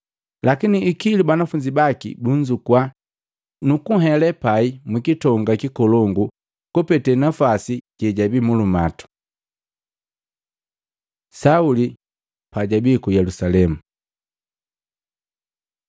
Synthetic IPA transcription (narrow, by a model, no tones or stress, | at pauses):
lakiniːkilibanafuɲd͡ʒibakḭbuɲd͡ʒukwa | nukuɦɛlɛpaimwikitɔŋɡakikɔlɔŋɡu | kɔpɛtɛnafasiɟ̥ɛɟabimulumatu̥ | sauli | paɟabikujɛlusalɛmu